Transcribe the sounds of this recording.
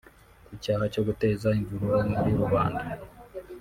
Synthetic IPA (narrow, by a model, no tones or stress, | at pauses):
kucaːhaco̞ɡute̞ːzaiɱvuɾuɾaniɾiɾuβaːnda